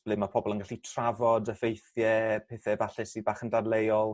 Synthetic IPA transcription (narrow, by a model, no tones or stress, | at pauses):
b̥lɨmapʰɔbɔlˠənɡaɬitʰravɔdəfejθjɛpʰeːθɛvaɬɪsibaːχəndadlejɔlˠ